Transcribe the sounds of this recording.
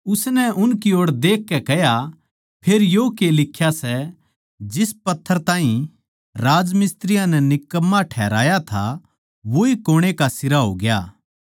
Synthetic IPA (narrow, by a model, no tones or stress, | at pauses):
ʊsnɛʔʊnkioːɽd̪eːkʰːɛkɛja | pʰeːɾjokelɪkʰːjasɛ | d͡ʒɪspɐt̪ʰːəɾt̪ãːɦĩ | ɾaːd͡ʒmɪst̪ɾɪjãnɛnɪkːəmːaʈʰɛːɾaːjat̪ʰa̰ | ʋoikoːɽ̃ekasɪɾaɦo̰ːɡɪjaː